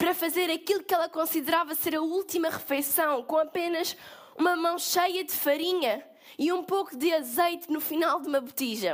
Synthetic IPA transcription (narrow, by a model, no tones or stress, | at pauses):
pɾɐfɐzeɾɐkilˠukɛlˠɐkõsiðɾavɐseɾɐulˠt̪imɐʁɨfɐjsɐ̃w̃kõɐpenɐʃ | umɐmɐ̃w̃ʃɐjɐd̪ɨfɐɾiɲɐ | iũpokud̪ɨɐzɐjt̪nufinalˠd̪umɐβut̪iʒɐ